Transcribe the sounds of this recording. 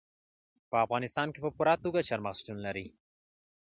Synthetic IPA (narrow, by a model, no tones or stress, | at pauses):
pəafɣɑnɪst̪ɑnkepəpuɾat̪uɡat͡ʃaɾmaqsʈunlaɾi